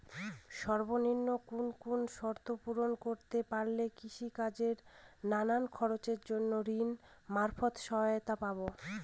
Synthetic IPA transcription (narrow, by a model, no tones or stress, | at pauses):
ʃɔɾboninːokunkunʃɔɾt̪opuɾonkoɾt̪epaɾlekiʃikad͡ʑeɾnanankʰɔɾot͡ɕeɾd͡ʑonːoɾinmaɾfot̪ʃɔɦaot̪apabo